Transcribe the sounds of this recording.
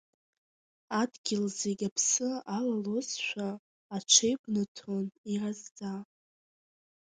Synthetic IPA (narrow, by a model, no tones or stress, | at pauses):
adɡʲɪlzeɡʲapʰsɨalalozʃʷᶣaː | t͡ʃʷʰejbʷnɨtʰonirazd͡za